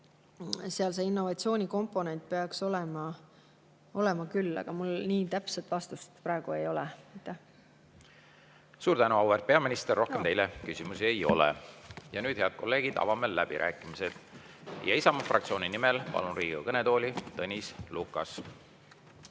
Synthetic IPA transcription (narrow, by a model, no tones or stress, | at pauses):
seɑlse̞inːo̞vɑt̪sioːnʲiko̞mpːˑo̞ne̞nt̪̚ˑpe̞ɑkso̞lɛmɑ | o̞le̞mɑkylːɑ̰ɡ̥ɑmulniːt̪æpset̪vɑst̪ust̪pɾɑˑeɡ̥ue̞jo̞lɛæjt̪ːˑæh | suːɾt̪ænuɑwert̪̚pe̞ɑminist̪erːo̞hkemt̪e̞jlekysimusie̞jo̞̰lɛ̰jɑnyːd̪heɑd̪̥̚ko̞lːe̞ːɡ̥id̪ɑ̰vɑmelːæ̰b̥ḭɾʔæ̰ːkːˑimised̪̥ | jɑ̰isɑmɑfrʔɑ̰k̚t̪sio̞ːnʲinimelpɑ̰lunɾiːɡṵkɤnet̪oːlʲit̪ɤnʲislukːˑɑs